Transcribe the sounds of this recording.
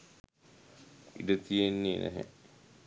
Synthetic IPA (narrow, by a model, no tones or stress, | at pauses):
ḭɖət̪ijenːinʔæ̰ɦɛ̰